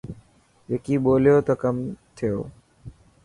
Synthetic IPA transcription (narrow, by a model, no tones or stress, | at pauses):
ekiboːleot̪ɔkɐmt̪ʰeo